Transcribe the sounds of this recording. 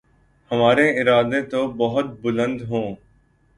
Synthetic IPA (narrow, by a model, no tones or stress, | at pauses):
həmaːɾeɪɾaːd̪et̪obəɦʊt̪̚bʊlə̃nd̪ɦõː